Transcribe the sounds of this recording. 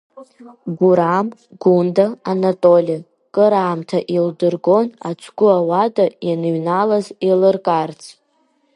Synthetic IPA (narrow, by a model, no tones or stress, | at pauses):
ɡʷuɾamɡundaanatʼolʲa | kʼɨɾaːmtʰaʔildɨrɡo̞na̰t͡ʃʷʰɡʷʊawadajanɨɥnalazilɨrkʼart͡sʰ